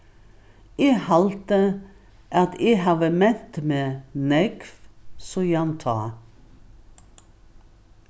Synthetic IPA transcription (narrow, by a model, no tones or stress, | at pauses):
eːhɑlt̪ə | ʔɑt̪ʰeːhɑʋəmɛt̪meːnɛɡfsojɑnt̪ʰɑː